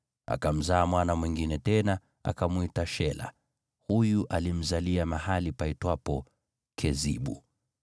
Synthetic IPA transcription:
a̰kam̩zaːmwanamwiŋɡinɛtɛna | a̰kamuitaʃɛla̰ | hujuʔalim̩zaliamahalipaitwapɔ | kʰɛzḭɓṵ

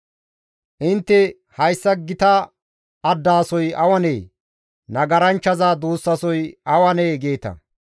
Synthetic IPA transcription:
ʔɪnt̪ːɛ | hɐjsːɐɡɪt̪ɐː | d̪ːaːsɔjɐwɐneː | nɐɡɐɾɐnt͡ʃːɐzaːd̪uːsːɐsɔjɐwɐneːɡe̞ːt̪ɐ̰

